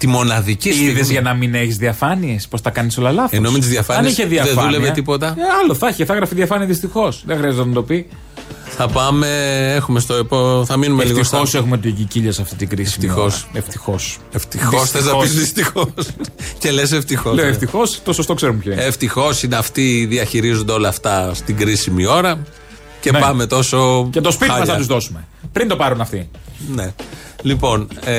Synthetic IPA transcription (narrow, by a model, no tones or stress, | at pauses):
t̪imo̞nɐðicisiðezʝɐnɐmine̞çizðiɐfɐnie̞spo̞st̪ɐkɐniso̞lɐlɐθenoimet̪izðjɐfɐnɐninisçeðiɐðefɐðuleveɐt̪ipot̪ɐɐloθɐçeθɐɣɾɐfiðiɐfɐniɐðist̪ixo̞sðexɾiɐzet̪enɐt̪o̞pi | θɐpɐme̞exumest̪oepoθɐminumelfiɣososexumet̪uʝiciʎɐsɐft̪it̪iɡɾisiimiosɐeft̪ixo̞seft̪ixosθez̬nɐpiszist̪ixosce̞les̬e̞ft̪ixoleoeft̪ixost̪osost̪okseɾumupçɐineft̪ixo̞sineɐft̪iðiɐçiɾizond̪eo̞lɐft̪ɐst̪iɡɾisimio̞ɾɐ | ce̞pɐme̞t̪o̞soet̪ospit̪ɐmɐsɐuzðosumepɾind̪o̞pɐɾunɐft̪i | ne | lipo̞n